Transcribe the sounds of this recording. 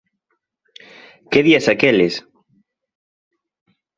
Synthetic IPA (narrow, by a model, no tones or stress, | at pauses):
keðiasakelɪs